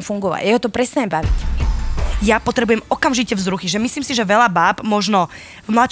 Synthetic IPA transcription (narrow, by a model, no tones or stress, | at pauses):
mfuŋɡɔʋa̰jɛɦɔt̪ɔpɾɛst̪aɲɛmbaʋḭc | japɔt̪ɾɛbujɛmɔkamʒicɛvzɾuxiʒɛmisliːmsiʒɛʋɛʎabaːbmɔʒnɔ | vmlat̪